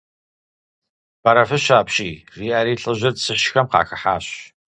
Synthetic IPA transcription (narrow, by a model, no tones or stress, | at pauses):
b̥aɾɐfɨɕaːpɕʼiːriːaːɾiːɬʼɨʑɐrsɨʃxɐmqɑ̰ːxɐħa̰ːɕ